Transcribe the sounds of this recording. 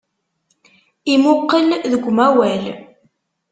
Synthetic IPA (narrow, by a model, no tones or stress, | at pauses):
imʊqːəlðəɡʷːmæwæl